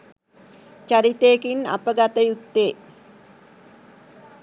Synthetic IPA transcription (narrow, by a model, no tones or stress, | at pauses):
t͡ʃaɾit̪eekina̰pəɡat̪əjut̪ːeː